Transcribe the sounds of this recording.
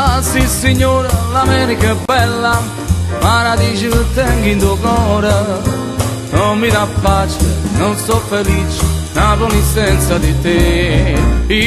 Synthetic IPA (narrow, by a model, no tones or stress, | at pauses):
asisɪɲoɾɐlamɛɾikɐbɛlɐ | maɾaðiʒt̪eŋɡĩnd̪uɐɣɔɾɐ | nɐ̃w̃miðapaʃnɐ̃w̃sofeliʃnaβolisẽnsjɐðɨt̪e | i